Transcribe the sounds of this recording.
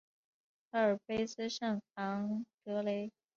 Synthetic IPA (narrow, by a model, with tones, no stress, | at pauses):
a˧˥ə˞˨˩pe˥ɪsɹ̩˥ʂɑ˥˩ŋxɑ˧˥ŋt̪ɤ˧˥le˧˥ɪ